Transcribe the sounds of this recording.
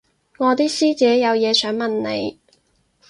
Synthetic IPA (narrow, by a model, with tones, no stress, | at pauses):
ŋɔː˨˧t̪iː˥siː˥t͡sɛː˨˥jɐ˨˧wjɛː˨˧sœː˨˥ŋmɐ˨nnḛ˨˧j